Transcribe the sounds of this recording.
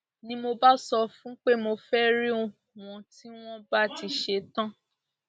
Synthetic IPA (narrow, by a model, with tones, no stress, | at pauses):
nĩ˧mo˧ba˦sɔ˧fũ˦k͡pe˦mo˧fɛ˦ɾi˦o˨ | w̃ɔ̃˧ti˦w̃ɔ̃˦ba˦˨ti˧ʃe˧tã˦